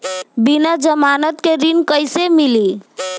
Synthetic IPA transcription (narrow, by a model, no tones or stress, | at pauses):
binad͡ʒəmanət̪keɾinkəjsemili